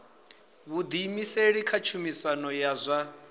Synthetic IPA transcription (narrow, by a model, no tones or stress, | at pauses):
βud̪imiseɺikʰat͡ʃʰumisanɔjazʷa